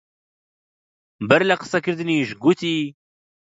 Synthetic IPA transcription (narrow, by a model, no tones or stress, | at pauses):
bɐɾlaqə̥sakɨɾd̪ɨniːʒɡut̪ʰiː